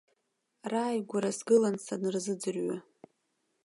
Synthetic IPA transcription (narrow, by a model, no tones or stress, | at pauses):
raːjɡʷaɾasɡɨlansanɨrzɨd͡zɨrɥa